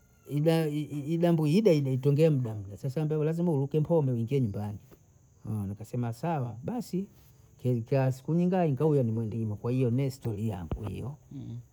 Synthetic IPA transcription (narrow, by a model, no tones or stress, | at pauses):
iɗaiɗambuiɗaiɗaitɔŋɡɛam̩ɗam̩ɗasasambɛulazimaulukɛmpʰɔmbɛuiŋɡiɛɲumbani | ɔnakasɛmasawaɓasi | kɛkaasi̥kuɲiŋɡaiŋɡaujanimwɛndimakwahijɔnɛstɔlija̰ŋɡṵhḭjɔ